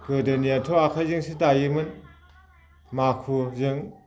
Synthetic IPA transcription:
kɯdɯniatʰoakʰazɯŋsitajɯmɯn | makʰuzɯŋ

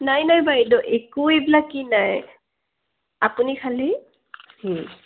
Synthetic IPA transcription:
najnajbaɦidɔʔekuebilakːinaj | apunikʰali | hi

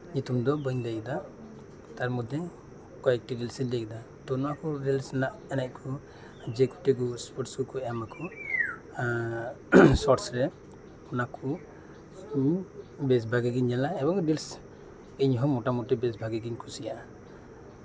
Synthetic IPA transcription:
ɲut̪umd̪ɔbəɲd̪ajkd̪a | t̪aɾmɔd̪ʱɛ | kɔɛk̚ʈiɖilsilɛk̚d̪a | t̪ɔnɔakɔɾilsnaʔɛnac̚kʰɔ | d͡ʒɛku̥ʈɛɡɔspɔɾʈsukɔɛmakʰɔ | sɔɾsɾɛ | ɔnakʰɔ | ɲbɛs̬bʱaɡiɡiɲːɛlaɛbɔŋɖils | iɲɦɔmɔʈamɔʈɛbɛsbʱaɡiɡiɲkʰusijaʔ

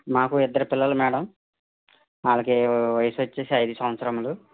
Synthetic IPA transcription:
maːkuid̪ːɐɾipilːɐlumɛːɽɐm | aːlakeːʋɐjɐsuʋɐt͡ʃːe̞ːsiɐjd̪isɐmʋɐt̪sɾɐmulu

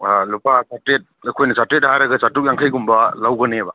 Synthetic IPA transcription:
alupasatɾet̚kʰojnasatet̚aɦaɾaɡɯsatuk̚jaŋkʰajɡumbalawɡɐneba

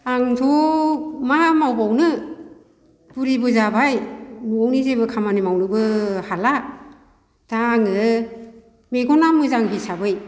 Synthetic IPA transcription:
aŋtʰɔ | mamawbawnɯ | b̥uɾibɯzabajmuɔwnizebɯkʰamanimawnɯbɯhala | d̥aːŋɯ | meɡɔnamɯzaŋbisabɯj

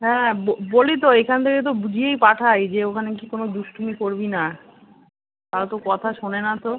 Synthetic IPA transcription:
ɦɛ̃bobolit̪̬oekʰant̪ʰeket̪̬obud͡ʑʱiejpaʈʰajd͡ʑeokʰanek̬ikonod̪uʃʈʰumikoɾbina | t̪at̪okɔt̪ʰaʃonenat̪o

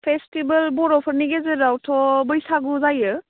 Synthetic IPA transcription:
pʰestibəlbɔɾɔpʰɯɾniɡezeɾawtʰɔbəjsaɡuzajɯ

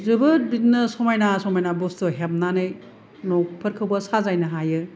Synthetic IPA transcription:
zɯbɯbitnɯsɔmajnasɔmajnabostɯɦep̚nanɯj | nɔk̚pʰɐɾkʰɐwbɐsazajnɐɦajɯ

